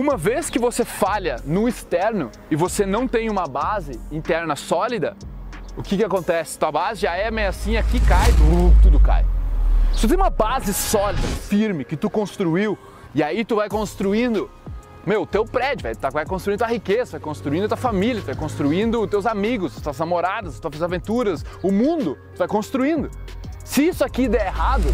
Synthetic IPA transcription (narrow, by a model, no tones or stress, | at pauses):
ũmɐveskɪvosefaʎɐnʊist̪ɛɾnʊ | ɪvosenɐ̃w̃t̪ẽj̃ũmɐbazɪĩnt̪ɛɾnɐsɔlid̪ɐ | ʊkɪkɪakõnt̪ɛsɪ̥ɐt̪uɐbazɪʒaɛmejasĩakikajut̪ud̪ʊka̰jsɪ̥t̪ut̪ẽj̃ũmɐbazɪsɔlid̪ɐfiɾmɪkɪt̪ukõst̪ɾuiw | ɪait̪uvajkõst̪ɾuĩnd̪ʊ | mewʊt̪ewpɾɛd͡ʒʊvajt̪avajkõst̪ɾuĩd̪ʊahikezɐt̪uvajkõst̪ɾuĩnd̪ɐt̪uwɐfamilʲjɐt̪uvajkõst̪ɾuĩnd̪ʊt̪ewzamiɡʊst̪uɐznamoɾad̪ɐzt̪uɐfazavẽnt̪uɾɐsʊmũnd̪ʊt̪ʊvajkõst̪ɾuĩnd̪ʊsɪisʊakid̪ɛeɦad̪ʊ